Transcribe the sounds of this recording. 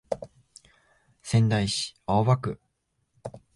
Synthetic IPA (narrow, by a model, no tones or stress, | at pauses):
sẽ̞nd̪aiɕi̥aoβakɯ̟